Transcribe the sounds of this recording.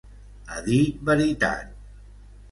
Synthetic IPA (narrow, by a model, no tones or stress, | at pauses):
aðit̪̚bəɾit̪a̰t̪̚